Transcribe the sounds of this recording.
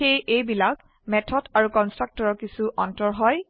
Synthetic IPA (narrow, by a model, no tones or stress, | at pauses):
ejʔejbilak | mɛtʰɔdaɹukɔnstɹak̚tɔɹɔɹkisuʔɔntɔɹɦɔj